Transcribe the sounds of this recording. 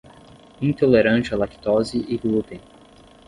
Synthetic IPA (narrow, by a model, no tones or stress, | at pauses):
ĩt̪oleɾɐ̃nt͡ʃɐlaki̥t̪ɔziʔiɡlut̪ẽ